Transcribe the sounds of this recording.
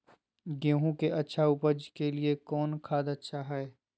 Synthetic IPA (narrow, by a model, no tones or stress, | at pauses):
ɡõːɦũkeʔɐtːʃʰaʊpəd͡ʒkeliekɔːnkʰaːd̪ɐtːʃʰaɦɛː